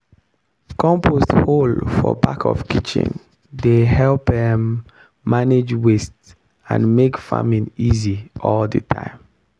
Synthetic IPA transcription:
kɔ̃mpʰostholfɔ̰bakʰɔ̰fkit͡ʃḭ̃n | dehɛlpdɛ̃mː | aned͡ʒwest | ã̰nmekfa̰mĩniziʔɔldətʰã̰ɪ̃m

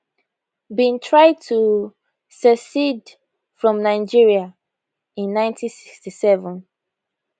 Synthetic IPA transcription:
bĩntʰɹaɪd̚tʰu | səsid | fɹɔ̃mnaɪd͡ʒiɹia | ĩnːãɪ̃ntʰĩnsi̥kstisɛvɔ̃n

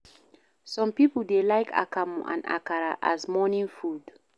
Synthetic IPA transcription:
sɔ̃mpipəldelaɪkʰa̰kamuʔã̰na̰kaɹaʔazmɔnĩnfud

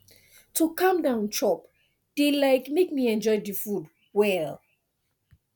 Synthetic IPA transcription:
tukãmdãʊ̃nt͡ʃʰɔp | d̥elaɪkmekmiɛ̃nd͡ʒɔɪdifud | wɛl

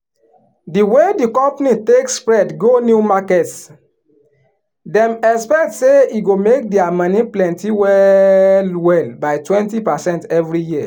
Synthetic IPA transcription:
diwedikɔ̃mpnitekspɹɛdɡonjumakɛts | dɛ̃mɛkspɛk̚tseiɡomek̚dɛamãniplɛ̃ntiwɛlwɛlbaɪtwɛ̃ntipasɛ̃ntɛvɹijia

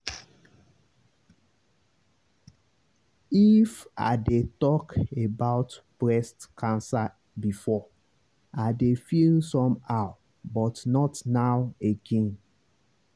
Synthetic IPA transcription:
ifa̰detɔkebaʊtb̥ɹɛstkʰãnsa | bifɔ | adefilsɔ̃maʊ | bɔtnɔtnaʊeɡɛ̃n

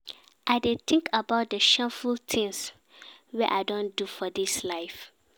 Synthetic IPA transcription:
ʔaɪdet̪ʰɪ̃ŋkabaʊt̚dəʃɛfult̪ʰĩŋs | wɛʔa̰ɪdõndufɔdislaɪf

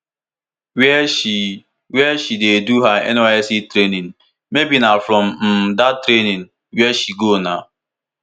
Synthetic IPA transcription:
wɛʃi | wɛʃideduɦaɛ̰noɛsitɾenin | mebinafɾɔm̩m̩datɾenin | wɛʃiɡona

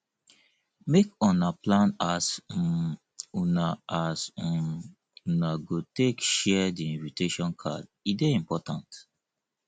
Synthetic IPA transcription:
mekɔ̃naplãnas | unaas | unaɡotekʃɛdiĩnviteʃɔ̃nkʰa̰d | ideĩmpɔtãnt

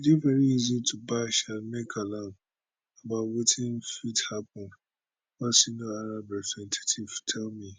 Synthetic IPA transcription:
idivɛɾiizitʰubaʃalmekʰalãm | abawotʰĩnfithapɔ̃n | wɔsinũaɾabɛsɛ̃ntʰe̥tʰiv̥tʰɛlmi

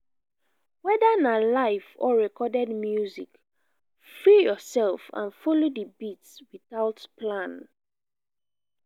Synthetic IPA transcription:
wɛðanalaɪfɔɹɛkʰɔdɛdmjuzik | fɹijɔsɛlfã̰nfɔlodəbitswiθaʊtpʰlãn

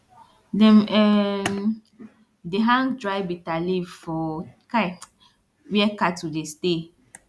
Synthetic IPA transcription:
dɛmɛ | deɦãŋdɹajbitalivfɔka | wɛkatudeste

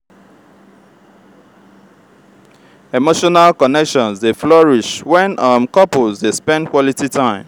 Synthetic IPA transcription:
emoʃɔnalkɔnɛkʃɔ̃nzdeflɔɹiʃwɛ̃nʌmkɔpolzdespɛ̃ndkwɔlititʰãɪ̃m

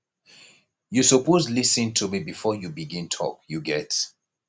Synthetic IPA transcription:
jusɔpʰozlisə̃ntʰumibifɔjubiɡĩntʰɔ̰kjuɡɛt

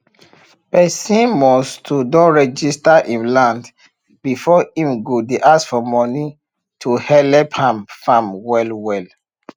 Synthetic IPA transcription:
pɛsĩnmɔstʰudɔ̃nɹɛd͡ʒistaʔĩnlãnd | bifɔĩmɡodeʔasfɔmɔni | tʰuhɛlɛphãmfãmwɛlwɛl

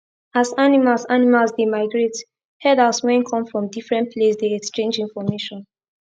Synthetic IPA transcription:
asanimalsanimalsdemaɪɡɹet | hɛdalswɛ̃nkʰɔ̃mfɹɔ̃mdifɹɛ̃nt̚pʰlesdeɛkst͡ʃẽnd͡ʒĩnfɔmeʃɔ̃n

